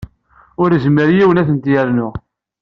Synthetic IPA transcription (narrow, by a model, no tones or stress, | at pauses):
ʊɾəzmːəɾjiwənæθənt̪jæɾnʊ